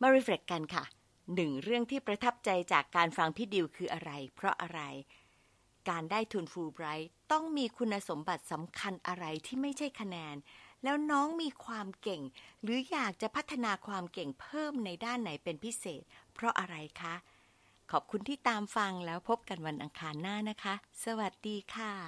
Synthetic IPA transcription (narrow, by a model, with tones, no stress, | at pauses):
ma˧ɾi˧˥fe˨˩kːa˧nkʰa˥˩ | nɯ˨˩ŋɾɯ˥˩əŋt̪ʰiː˥˩pɾa˧t̪ʰa˦˥p̚t͡ɕa˧jt͡ɕaː˨˩kːaː˧nfa˧ŋt̪ʰiː˥˩di˧wkʰɯː˧ʔa˧ɾa˧jpʰɾɔ˦˥ʔa˧ɾa˧j | kaː˧ndaː˥˩jt̪ʰuː˧nfuː˧bɾa˦˥jt̪ɔ˥˩ŋmiː˧kʰu˧nːaː˧so˩˦mba˨˩t̪̚sa˩˦mkʰa˧nʔa˧ɾa˧jt̪ʰiː˥˩ma˥˩jt͡ɕʰa˥˩jkʰa˧nɛː˧nlɛː˦˥wnɔː˦˥ŋmiː˧kʰwaː˧mke˨˩ŋɾɯː˩˦jaː˨˩k̚t͡ɕa˨˩pʰa˦˥t̪ʰːa˧naː˧kʰwaː˧mke˨˩ŋpʰɤː˥˩mna˧jdaː˥˩nːa˩˦jpe˧npʰi˦˥seː˨˩t̪̚pʰɾɔ˦˥ʔa˧ɾa˧jkʰa˦˥ | kʰɔː˨˩p̚kʰu˧nt̪ʰiː˥˩t̪aː˧mfa˧ŋlɛː˦˥wpʰo˦˥p̚ka˧nwa˧nʔa˧ŋkʰaː˧nːaː˥˩na˦˥kʰa˦˥sa˧wa˨˩t̪̚diː˧kʰaː˧˩